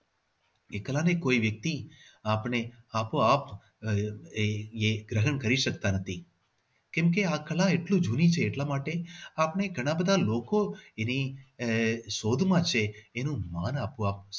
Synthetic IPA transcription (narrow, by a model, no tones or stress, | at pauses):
ekəlanekoiʋjək̚t̪iapɳeapap | eeɡɾəɦəɳkəɾiʃəkt̪anət̪ʰi | kɛ̃mkeakəlãeʈlũd͡ʒʱunit͡ʃʰeːʈlamaːʈeapneɡʱəɽ̃ãbəd̪ʱalokoeni | ʃoːd̪ʱmãt͡ʃʰeːnũmaːnapuap̚